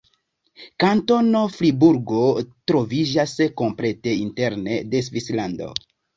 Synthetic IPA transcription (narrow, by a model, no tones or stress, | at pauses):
kanto̞no̞fɾibuɾɡo̞tɾo̞vid͡ʒasko̞mple̞te̞inte̞ɾne̞̰de̞s̬vislando̞̰